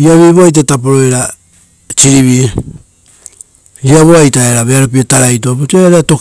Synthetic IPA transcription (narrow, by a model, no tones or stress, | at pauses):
iaβiβoajt̬atap̬oɾo̞eɾa | t͡ʃiɾiβi | iaβoajtaeɾaβeaɾop̬iotaɾajt̬oaputeaɾato̞